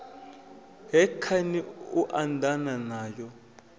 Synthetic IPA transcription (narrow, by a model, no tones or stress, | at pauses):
ɦɛkʰaniuʔantʼananaːjɔ